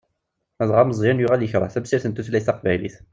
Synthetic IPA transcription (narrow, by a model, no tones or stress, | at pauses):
æðˤʁɑməzˤjænjʊʁæljəçɾˤɑ̰θæbsiɾθənt̪uθlæjθɑqbæjlḭθ